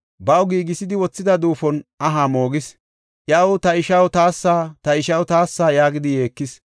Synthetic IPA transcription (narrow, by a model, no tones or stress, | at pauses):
bɐwɡiːɡɪsɪd̪ɪwɔt͡sːɪd̪ɐd̪uːfɔnɐɦaːmo̞ːɡɪs | ʔjɐwt̪ɐɪʃɐwt̪aːsːaːt̪ɐɪʃɐwt̪aːsːaːjaːɡɪd̪ɪje̞ːkːɪs